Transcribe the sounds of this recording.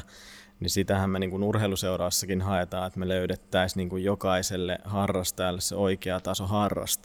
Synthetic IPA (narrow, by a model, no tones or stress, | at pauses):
nisit̪æhæmmeniːŋkunurheiluseuɾɑʋɑsːɑkinhɑet̪ɑːet̪meløyɾet̪ːæisniːŋkujjokɑiselːḛhɑrːɑst̪ɑjɑlːessḛoikeɑt̪ɑsohɑrːɑ̰st̪ɑ̥